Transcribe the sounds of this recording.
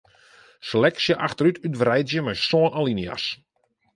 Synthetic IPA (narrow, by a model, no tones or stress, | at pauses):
səlɛksjəʔaxtəɾytʰytʋrɛjtzjəmɛjsoənʔalinja̰s